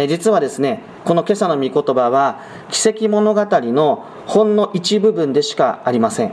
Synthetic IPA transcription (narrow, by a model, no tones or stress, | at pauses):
d͡ʑit͡sɨβad̪e̞sɨne̞ | ko̞no̞ke̞sano̞mʲiko̞t̪o̞baβ̞a | kʲi̥se̞kʲimo̞no̞ɡat̪aɾʲino̞ | hõ̞nːo̞ʔit͡ɕibɯ̟bɯ̟̃nd̪e̞ɕi̥kaaɾʲimasẽ̞ŋ